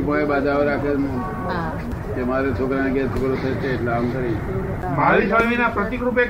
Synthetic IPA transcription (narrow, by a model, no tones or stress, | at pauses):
pəebad͡ʒaʋeɾakʰe | kemaɾet͡ʃʰokɾaneɡet͡ʃʰokɾot̪ʰet͡ʃeːʈlaamkəɾi | baʋisəʋinapɾət̪ikɾupe